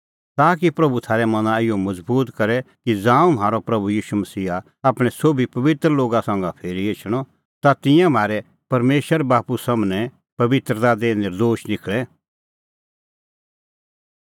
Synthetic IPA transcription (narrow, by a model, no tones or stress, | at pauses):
t̪aːk̬ipɾɐbut̪ʰaːɾɛmɐnãɪjomɐd͡zbuːt̪kɐɾɛkid͡zãːũmaːɾopɾɐbujiːʃumɐsiːa | aːpɽ̃ɛsoːbʱipɐʋɪt̪ɾəloːɡasãːŋɡapʰeːɾiet͡ʃʰɽ̃ɔ | t̪at̪ɪ̃jãm̤ʱaːɾɛ | pɐɾmeːʃəɾbaːpusɐmnɛ | pɐʋɪt̪ɾd̪ad̪eːnɪɾd̪oːʃnɪkʰɭɛ